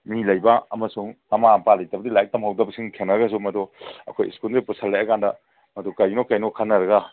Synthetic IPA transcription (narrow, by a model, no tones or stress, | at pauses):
milɐjbɐɐmɐsuŋmɐmapalɐjtɐbɐdilajek̚tɐmhawdɐbɐsiŋkʰenːɐɾɐɡɐs̬umɐdoɐ̰kʰoj̰skulɾipusʰalːajɐkandɐ | mɐdukɐjnokajnokʰanːɐɾɐɡa